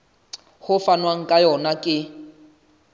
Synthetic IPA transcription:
hʊfanwaŋ̩kʼajɔnakʼɪ

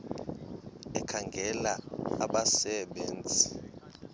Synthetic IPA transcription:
ɛkʰaŋɡʱɛlaaɓasɛɓeːnd͡zʱi

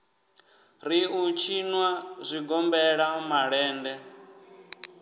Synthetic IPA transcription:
ɾiut͡ʃʰinwazʷiɡɔmbɛɺamaɺɛːndɛ

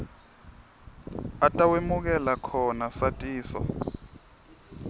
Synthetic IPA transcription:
atʼawemuk̬ɛlakʰɔnasatʼiːsɔ̰

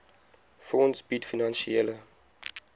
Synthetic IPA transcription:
fɔnsbitfinanʃielə

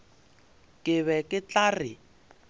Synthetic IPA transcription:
kʼɪβɛkʼɪt͡ɬaːrɪ

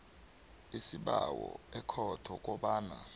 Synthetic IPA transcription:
isiɓawɔɛkʰɔtʰɔk̬ʼɔɓaːna

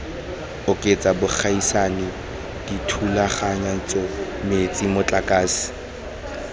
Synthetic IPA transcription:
ʊkʼet͡sʼabʊk͡xʰaisanɪ | d̥itʰulaχaɲan̩t͡sʼɔmet͡sʼimʊt͡ɬʼakʼaːsi̥

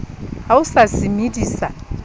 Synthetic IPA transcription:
haʊsasɪmidiːsa

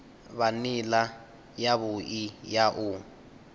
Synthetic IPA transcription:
βanila | jaβʊijaʔʊ

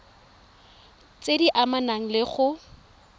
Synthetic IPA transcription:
t͡sediʔamanaŋ̩lɪχʊ

